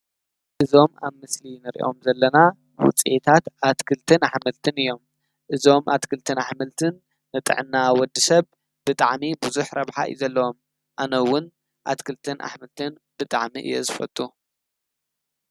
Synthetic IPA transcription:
ʔɨzo̞maβmɨslinɨɾḭʔo̞mzɐlːɐna | wʊ̰t͡sʼiʔet̪ʰat̪at̪kʰɨlt̪ʰɨnaħmɨlt̪ʰɨnɨjːo̞m | ʔɨzo̞mʔa̰t̪kʰɨlt̪ʰɨnaħmɨlt̪ʰɨnː | ɨt̪ʼɨ̰ʕɨnːawɔd̪ɨsɐβ | b̥ɨt̪ʼaʕmibuzuħɾɐβħa̰ɨ̰jzɐlːɐwo̞m | ʔanɐwːʊn | ʔa̰t̪kʰɨlt̪ʰɨnʔa̰ħmɨlt̪ʰɨn | b̥ɨt̪ʼa̰ʕmiʔɨ̰jːo̰zɨfɐ̰t̪ʼu

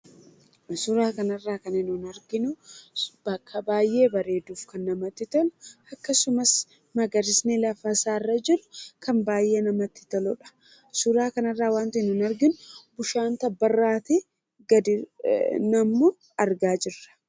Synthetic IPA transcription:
suɾaːkɐnɐrːaːkɐnɪnʊnɐɾɡɪnʊbɐkːɐbaːjʔe̞ːbɐɾe̞ːd̪uːfkɐnːɐmɐt̪ːɪt̪ɔlʊ̥ɐkːɐsʊmɐs | mɐɡɐɾɪsnɛlɐfɐsaːrːɐd͡ʒɪɾʊ̥kʰɐnbaːjʔe̞ːnɐmɐt̪ːɪ̥t̪ɔlɔᶑɐ̥ | suɾaːkɐnɐrːaːwaːnt̪ɐnʊnɐɾɡɪnʊbʊʃaːnt̪ɐbːɐrːaːt̪ɪ | ɡɐd̪ɪnɐmːo | ɐɾɡaːd͡ʒɪrːɐ̥

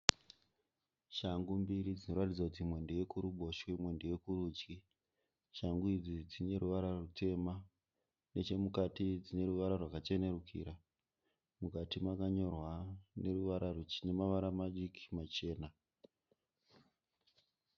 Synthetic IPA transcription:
ʃaŋɡumbiɾid͡zino̞ratid͡zakutimwe̞ndeje̞kuɾuɓo̞ʃwimwe̞ndejekuɾuːt͡ʃi | ʃaŋɡuid͡zid͡zine̞ɾuʋaɾarutʰe̞ma | ne̞t͡ʃe̞mukatid͡zine̞ɾuʋaɾarwakat͡ʃe̞ne̞rukʰḭːɾa | mukatimakaɲo̞rwane̞ruʋaɾarut͡ʃine̞maʋaɾamaɗiki̥mat͡ʃe̞ːna

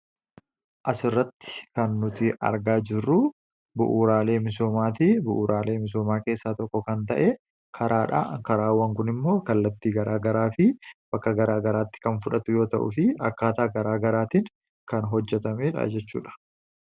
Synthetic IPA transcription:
ʔɐsɪrːɐt̪ːɪ̥kɐnːʊt̪ɪʔɐ̰ɾɡaːd͡ʒɪrːʊ | bʊʔuːɾaːle̞ːmɪso̞ːmaːt̪ɪbʊʔuːɾaːle̞ːmɪs̬o̞ːmaːke̞ːsːaːt̪ɔkːɔkɐnt̪ɐʔe | kʰɐɾʔaːᶑa̰kɐɾaːwːɐŋkʊnɪmːo̞ːkɐlːɐt̪ːiːɡɐɾaːɡɐɾaːfɪb̥ɐkːɐɡɐɾaːɡɐɾaːt̪ːɪ̥kɐnfʊᶑɐt̪ʊjo̞ːt̪ɐʔʊ̰fɪɐkːaːt̪aːɡɐɾaːɡɐɾaːt̪ɪn | kɐnɦɔd͡ʒːɛt̪ɐmeːᶑɐ̰d͡ʒɛt͡ʃːṵːᶑɐ̥

